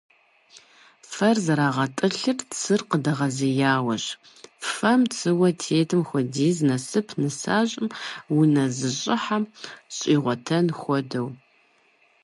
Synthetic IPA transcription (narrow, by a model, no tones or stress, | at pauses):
fɐrzɐɾaːʁɐtʼɨɬɨrt͡sʰɨrqədɐʁɐzɐjaːwɐɕ | fɐmt͡sʰɨwɐtʰeːtʰɨmxʷɔdiːznɐsɨpʰnɨsaːɕʼɪmwunɐzɨɕʼɪħamɕʼiːʁʷɔtʰɐnxʷɔdɐw